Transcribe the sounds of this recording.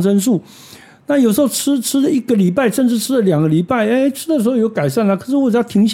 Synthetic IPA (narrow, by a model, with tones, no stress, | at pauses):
ʈ͡ʂə˥nʂu˥˩ | na˥˩jo˨˩ʂɻ̩˧˥xo˥˩ʊʈ͡ʂʰɻ̩˥ʈ͡ʂʰɻ̩˥lə˨i˥ɡə˨li˨˩pa˥˩ɪʂə˥˧nʈ͡ʂɻ̩˥˩ʈ͡ʂʰɻ̩˥lə˨ljɑ˨˩ŋɡə˦li˨˩pa˥˩ɪe˥ʈ͡ʂʰɻ̩˥d̪ə˨ʂɻ̩˧˥xo˥˧jo˧˥ʊka˨˩ɪʂa˥˩nlə˩kʰɤ˨˩ʂɻ̩˥˧wo˥˩ʈ͡ʂja˥t̪ʰi˧˥ŋɕ